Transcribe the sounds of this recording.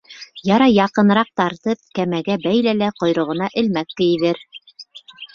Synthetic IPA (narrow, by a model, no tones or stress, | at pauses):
jɑɾɑjɑqɤ̆n̆ɾɑq̚t̪ɑɾt̪ɤp̚kæmæɡæbæjlælæqŏjɾɤ̆ʁɤ̆nɑʔɘ̆lmækːɘ̆jɘ̆ðɘɾ